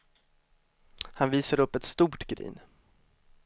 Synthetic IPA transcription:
hanviːsaɾɵpːɛt̪st̪uːʈɡɾḭːn

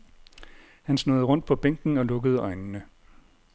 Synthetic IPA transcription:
hænsno̝ð̞̩ˠʁɔ̽n̰d̥̚pʰɒ̽b̥eŋ̰ɡ̥n̩ɒ̽lɔ̽ɡ̥əð̞ˠɒ̽ɪnnə

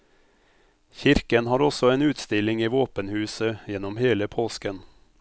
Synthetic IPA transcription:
çɪɾkənhɑːɾɔsɔeːnʉːt̪st̪ɪlɪŋiːʋoːpənhʉːsəjɛnɔmheːləpʰoːskən

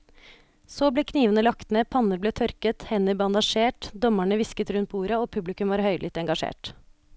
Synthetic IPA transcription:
soːbleːkʰniːʋənəlɑkt̪nəpʰɑnəɾbleːt̪ʰœɾkət̪hɛnəɾbɑnd̪ɑʃeːʈd̪ɔmæɳəʋɪskət̪ɾʉnt̪pʰuːɾəoːpʰʉblɪkʉmʋɑːɾhœʏlɪt̪ɛŋɡɑʂḛːʈ

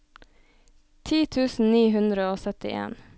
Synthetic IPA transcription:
t̪ʰiːt̪ʰʉːsn̩niːɦʉnd̪ɾəoːsœt̪ɪ̰ʔḛːn

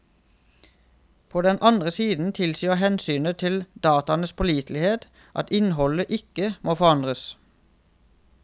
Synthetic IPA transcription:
pʰoːd̪ɛnʔɑnd̪ʁəsiːd̪n̩t̪ʰɪlsyːəhɛnsyːnət̪ʰɪld̪ɑːt̪ɑnəspʰɔliːt̪ʰlɪheːt̪ | ʔɑ̰t̪ɪnhɔləʔɪkəmʔoːfɔʁɑnd̪ʁəs

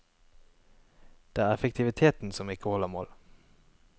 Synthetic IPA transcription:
d̪̥ɛæɾɛfɛk̚t̪ʰɪvɪt̪ʰeːt̪ənsɔmɪkːəhɔlːəmo̰ːl

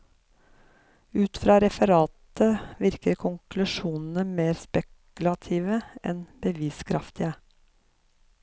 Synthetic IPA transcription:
ʉːt̪fɾɑːɾɛfəɾɑːt̪əʋɪɾkəɾkʰʊŋkʰlʉʃuːnn̩əmeːɾspɛk | ʉlɑt̪ʰiːʋəʔɛ̰nb̥əʋiːskʰɾɑft̪ɪə

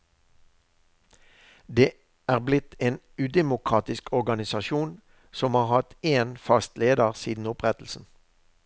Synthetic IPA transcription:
d̪eː | ʔæːʁblɪt̪ʰeːn | ʉːd̪ɛmʊkʁɑːt̪ɪskʰɔʁɡɑnɪsɑʃuːn | sɔmhɑːʁhɑt̪eːnfɑst̪leːd̪əʁsiːd̪n̩ʊpʁɛt̪l̩sn̩

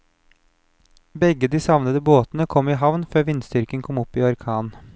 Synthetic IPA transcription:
bɛɡəd̪iːsɑʋnəd̪əboːt̪nəkʰɔmɪːɦɑʋnføːʋɪnsd̪ʏɾkənkʰɔmɔpiːɑɾkʰɑːn

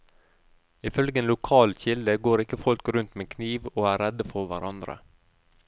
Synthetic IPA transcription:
ɪfœlɡəeːnlʊkʰɑːlçɪld̪əɡoːɾɪkəfɔlkɾʉnt̪meːkʰniːʋoːæːɾɛd̪əfɔɾʋæɾʔɑnd̪ɾə̰

